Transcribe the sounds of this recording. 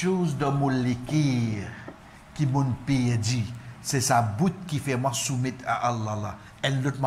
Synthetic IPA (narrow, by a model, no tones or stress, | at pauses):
ozd̪ə̃mɔ̃lekɛʁ | kimɔ̃npeɛdisɛsabut̪̚kifɛmwasumɛt̪ʰa̰ʔalːala | ɛlːot̪ma